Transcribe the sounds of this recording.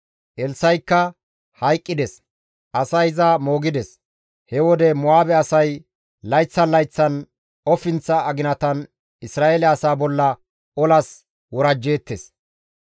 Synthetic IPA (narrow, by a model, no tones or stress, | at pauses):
ʔɛlsɐjkːɐ | hɐjkʼːɪd̪ɛs | ʔɐsɐjzɐmo̞ːɡɪd̪ɛs | hɛwɔd̪ɛmʊaːbɛɐsɐj | lɐjt͡sːɐnlɐjt͡sːɐn | ɔfɪnt͡sːɐːɡɪnɐt̪ɐn | ɪsɾaːelɛɐsaːbɔlːɐ | ɔlɐs | wɔɾɐd͡ʒːeːt̪ːes